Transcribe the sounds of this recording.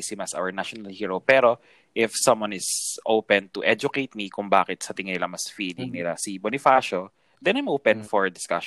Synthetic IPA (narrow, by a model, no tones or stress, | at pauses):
sɪmɐsʔa̰wəɹnaʃonɐlhiːɹopɛːɾo̞ | ʔɪfsɐ̃mwanɪsʔowpɛ̃nt̪ʊʔɛd͡ʒʊkejt̪̚mikʊŋba̰ːkɪt̪̚sɐt̪ɪŋɪnɪlɐmɐsfiːlɪŋnɪlasibonɪfaːʃo | d̪ɛnajmʔowpɛ̃nfɔɹd̪ɪska̰ʃ